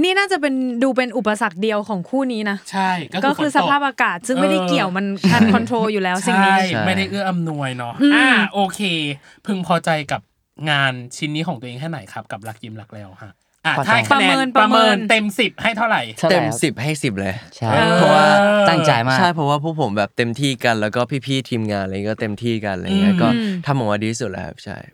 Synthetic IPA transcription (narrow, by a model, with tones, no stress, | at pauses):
niː˥˩naː˥˩t͡ɕa˨˩pe˧nduː˧pe˧nʔu˨˩pːa˧sa˨˩k̚di˧əwkʰɔː˩˦ŋkʰuː˥˩niː˦˥na˦˥t͡ɕʰa˥˩jkkɔ˥˩kɔː˧˥˩kʰɯː˧sa˧pʰaː˥˩p̚ʔaː˧kaː˨˩t̪̚sɯ˥˩ŋmaː˥˧˩da˥jki˨˩əwma˧nkʰa˧nʰɔ˧nt̪ʰɾoː˧juː˨˩lɛː˦˥wt͡ɕsi˨aŋː˥˦˩jma˥˩jda˥˩jʔɯ˥˩əʔa˧mnu˧əjnɔ˦˥ʔɯːaː˧˩ʔoː˧kʰeː˧ | pʰɯ˧ŋpʰɔː˧t͡ɕa˧jka˨˩p̚ | ŋaː˧nt͡ɕʰi˦nːi˦˥kʰɔː˩˦ŋt̪u˧ʔeː˧ŋʰɛ˥˩na˩˦jkʰa˦˥p̚ka˨˩p̚la˦˥k̚ji˧mla˦k̚lɛː˨˦˥wha˦˥˩ʔ | ʔaː˧˩t̪ʰa˥˩jkʰnɛː˧nɾa˧mɤː˧nt̪e˧msi˨˩p̚ha˥˩jt̪ʰa˥˩wɾa˨˩jt̪e˧msi˨˩p̚ha˥˩jsi˨˩p̚lɤː˧jt͡ɕʰaː˥˩˧pʰɔ˦˥waː˧˥˩t̪a˥˩ŋt͡ɕa˧˩t͡ɕːʰa˥˩jpʰɾɔ˦˥waː˥˩pʰuː˥˩k̚pʰo˩˦mbɛː˨˩p̚t̪e˧mt̪ʰiː˥˩ka˧nlɛː˦˥wkɔː˥˩pʰiː˥˩pʰiː˥˩t̪ʰiː˧mŋaː˧nla˧˨i˦˥kɔː˥˩t̪e˧mt̪ʰiː˥˩ka˧nla̰˧˨˧ŋi˦˥˧kɔː˥˩t̪ʰa˧mːɔ˨˩˦waː˧diː˧iː˦˥su˨˩lə̰ː˧˦kʰa̰˦˥p̚t͡ɕʰa̰˥˩j